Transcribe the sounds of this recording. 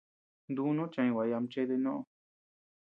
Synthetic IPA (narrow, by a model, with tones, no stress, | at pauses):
nd̪u˧˦nõ˦t͡ʃã˧ĩ˧wa˨ja˧m˧t͡ʃe˦t̪e˧nõ˦ʔõ˧